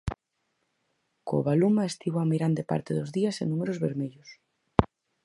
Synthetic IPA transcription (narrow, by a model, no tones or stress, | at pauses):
ko̰βalumaest̪iβoameɾand̪epa̰ɾt̪eðozðiasḛnumeɾozβeɾmeʎʊs